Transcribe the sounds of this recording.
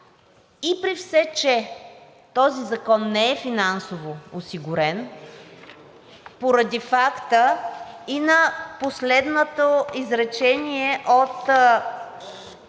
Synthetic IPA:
ipɾifsɛt͡ʃɛ | t̪ɔzizɐkɔnːɛɛfinansovoosiɡʊɾɛn | poɾɐd̪ifakt̪əinɐposlɛd̪not̪oizɾɛt͡ʃɛniɛʔot̪

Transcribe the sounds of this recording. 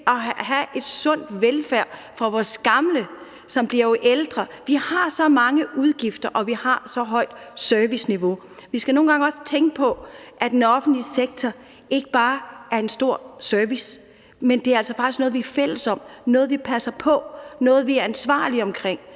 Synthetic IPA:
ʔɒ̽ɦæʔe̝d̥sɔ̽n̰d̥ʋelfæɐ̰ | fʁɑ̈ʋɒːsɡ̥ɑ̈mlə | sɒ̽mb̥liɐjoʔeld̥ʁɐʋihɑ̈sɒ̽mɑ̈ŋəʔuð̞ˠɡ̥ifd̥ɐʔɒ̽ʋihɑ̈sɒ̽ɦɒ̽ɪ̰d̥søɐʋisniʋo̝ | ʋisɡ̥æno̝ːn̩ɡ̥ɑ̈ŋɒ̽st͡sʰeŋɡ̥əpʰɒ̽ʔæd̥enɒ̽fn̩d̥liseɡ̥̚t͡sʰɒ | ʔe̝ɡ̥əb̥ɑ̈ːæɐe̝nsd̥o̝ɐ̰søɐʋis | mend̥e̝æɐæl̰sɒfɑ̈ɡ̥isɡ̥nɔ̽ð̩ˠʋiæɐfel̰əsɒ̽m̰d̥nɔːð̞̩ˠʋipʰæsɐpʰɒ̽nɔ̽ːð̩ˠʋiæɐænsʋɑ̰̈ːliɒ̽mkʰʁeŋ̰

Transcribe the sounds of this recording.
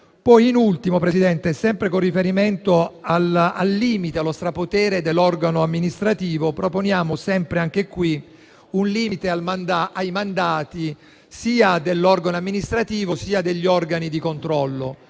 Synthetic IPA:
pɔjinult̪imopɾesid̪ɛnt̪esɛmpɾekorːifeɾiment̪oalalːiːmit̪ealːost̪ɾapot̪ɛːɾed̪elːɔrɡanoamːinist̪ɾat̪iːvopɾoponjaːmosɛmpɾeaŋk̟ekwi | unliːit̪ealmand̪aʔajmand̪aːt̪i | siːad̪elːɔrɡanoamːinist̪ɾat̪iːvosiːad̪eʎːiɔrɡanid̪ikont̪ɾɔlːo

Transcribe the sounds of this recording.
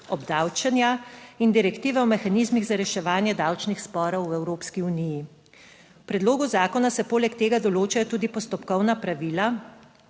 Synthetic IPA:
ɔbd̪awt͡ʃɛnjaind̪iɾɛkt̪iːʋɛɔmɛxaniːzmiɣzaɾɛʃɛʋaːnjɛd̪awt͡ʃnixspɔːɾɔwɛwɾoːpskiuniji | wpɾɛd̪loːɡuzaːkɔnasɛpoːlɛkt̪eːɡad̪ɔloːt͡ʃajɔt̪uːd̪ipɔst̪ɔpkɔwnapɾaʋiːla

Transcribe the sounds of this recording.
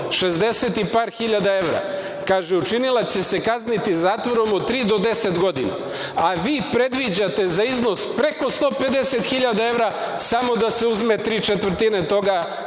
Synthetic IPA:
ʃezd̪e̞set̪ipaːɾxiʎad̪ae̞ʋɾa̰ | kaːʒeut͡ʃinilˠat͡ɕe̞se̞kaznit̪izaːt̪ʋo̞ɾo̞mot̪ːɾiːd̪od̪e̞set̪ɡo̞d̪ina̰ | aʋiːpɾe̞d̪ʋid͡ʑat̪e̞zaizno̞spɾe̞ko̞st̪o̞ːpe̞d̪e̞se̞t̪xiʎad̪ae̞ʋɾa | samo̞d̪ase̞uzmet̪ɾiːt͡ʃet̪ʋɾ̩t̪inet̪o̞ɡa

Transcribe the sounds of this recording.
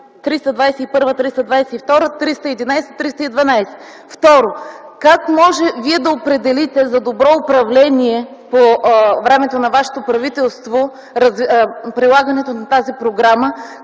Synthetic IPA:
t̪ɾist̪ɐd̪vajsɛipɤɾvət̪ɾist̪ɐd̪vajsɛift̪ɔɾət̪ɾist̪əɛd̪inajsɛ̥t̪ɾist̪əid̪vɐnajsɛ̥ | ft̪ɔɾokakmɔʒɛviɛd̪ɐopɾɛd̪ɛlit̪ɛzɐd̪obɾɔʊpɾɐvlɛniɛ | povɾɛmɛt̪onɐvaʃɛ̥t̪opɾɐvit̪ɛlˠst̪vo | ɾɐzpɾilˠaɡənɛt̪onɐt̪azipɾoɡɾamə

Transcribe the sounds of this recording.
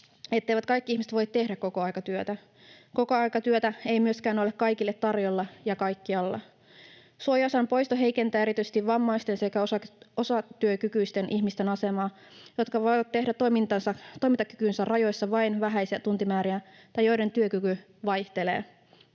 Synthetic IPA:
et̪ːeiʋæt̪kɑikːiihmise̥t̪ʋo̞jt̪ːe̞hdækko̞ko̞ɑjkɑt̪yøt̪æ | ko̞koɑjkɑt̪yøt̪æe̞jmyøskæːno̞lekkɑjkilːet̪tɑrjolːɑjɑkɑjkːiɑlːɑ | suojɑsɑnpojst̪oɦe̞ike̞nt̪æːeɾit̪yse̥t̪iʋʋɑmːɑijst̪e̞nse̞kæosɑosɑt̪yøkykyist̪e̞nʔiçmist̪e̞nɑse̞mɑː | jo̞t̪kɑʋojʋɑt̪ːeɦɾætt̪ːomint̪ɑnsɑt̪o̞jmit̪ɑky̥kynsærrɑjo̞jsːɑʋɑjnʋæɦæjsiæt̪unt̪imæːɾiæ | t̪ɑjojɾe̞nt̪yøkyky | ʋɑjht̪e̞le̞̰ː

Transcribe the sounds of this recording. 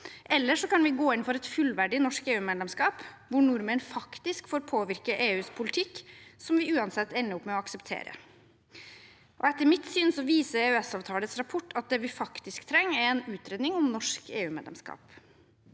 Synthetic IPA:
ʔɛlːəʂɔkɑnʋɪɡoːɪnfɔɾɛt̪fʉlʋæɖɪnɔʂkeːʉːmeːd̪lɛmskɑːpʋʊɳʊɾmənfɑkt̪ɪskfoːɾpʰoːʋɪɾkəʔeːʉːspʰʊlɪt̪ʰɪkːsɔmʋɪʉːɑnsɛt̪ːɛnːəʊpmɛɔɑksəpt̪ʰḛːɾə̰ | ʔɔɛt̪ːəɾmɪt̪syːnsɔʋiːsəɾeʉɛsɑːʋt̪ʰɑːlət̪sɾɑpʰɔʈːʰɑt̪̚d̪ɛːʋɪfɑkt̪ɪskt̪ʰɾɛŋːɛɾɛnʉːt̪ɾeːd̪nɪŋɔmnɔʂkḛːʉːmḛːd̪ɛ̰mskɑ̰ːp

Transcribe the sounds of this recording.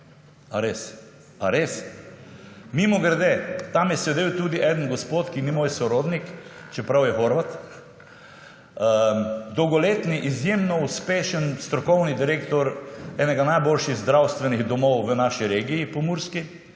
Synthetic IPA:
aɾes | aɾes | mimɔɡəɾd̪et̪amjɛsʋɛd̪ewt̪uːd̪iʔɛd̪ənɡɔspoːt̪kinimoːjsɔɾoːd̪nikt͡ʃɛpɾawjɛxoɾʋat̪ | əd̪ɔwɡɔleːt̪niʔizjemnɔuspeːʃənst̪ɾɔkɔwnid̪iɾeːkt̪ɔɾɛnɛɡanajbolʃiɣzd̪ɾawst̪ʋɛniɣd̪ɔmɔwʋənaʃiɾeːɡiːpɔmuɾski

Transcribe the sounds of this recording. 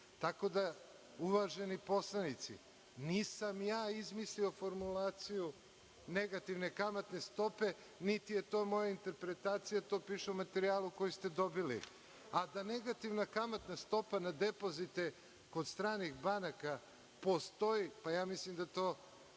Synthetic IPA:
t̪ako̞d̪a | uʋaʒe̞nipo̞slˠanit̪sḭ | niːsamjaːizmislio̞fo̞ɾmulaːt̪siju | ne̞ɡat̪iʋnekamat̪ne̞st̪o̞pe̞ | nit̪ije̞t̪o̞mo̞jaint̪e̞ɾpɾe̞t̪aːt̪sijat̪o̞ːpiʃeumat̪eɾiaːluko̞jist̪e̞d̪o̞bilḭ | ad̪ane̞ɡat̪iʋnakamat̪nast̪o̞panad̪e̞po̞zit̪e | ko̞d̪st̪ɾaːnixbanaka | po̞st̪o̞jipajaːmislimd̪at̪o̞ː

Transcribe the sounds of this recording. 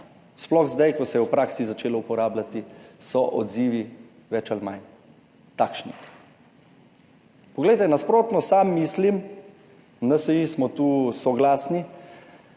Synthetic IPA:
splɔxzd̪ajkɔsɛjɛwpɾaːksizat͡ʃeːlɔupɔɾaːblat̪isɔʔɔ̰d̪ziːʋi | ʋɛt͡ʃalman | t̪aːkʃnḭ | pɔɡlɛjt̪ɛnaspɾoːt̪nɔsamːiːslim | nəsɛjismɔt̪uːsɔɡlaːsni

